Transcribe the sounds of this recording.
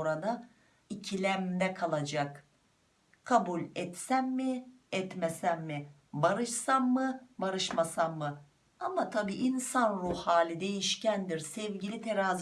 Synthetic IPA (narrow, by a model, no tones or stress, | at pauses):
oɾad̪a | icʰilʲæmd̪ɛkʰalˠad͡ʒak | kʰabulʲɛt̪sæmːɪ | ɛt̪mɛsæmːi | baɾɯʃsamːɯbaɾɯʃmasamːɯ | amat̪ʰabiːʔinsanɾuhhaːlʲid̪e̞jiʃcænd̪iɾsɛvɟilʲit̪ʰeɾaːz